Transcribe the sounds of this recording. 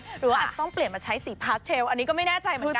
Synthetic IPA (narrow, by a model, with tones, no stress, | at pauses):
ɾɯː˩˦waː˥˩aː˨˩t̪ɔ˥˩ŋpli˨˩ənmaː˧t͡ɕʰa˦˥jsiː˩˦pʰaː˦˥t͡ɕʰeː˧wʔa˧nːiː˦˥kɔː˥˩ma˥˩jnɛː˥˩t͡ɕa˧jmɯː˨˩˧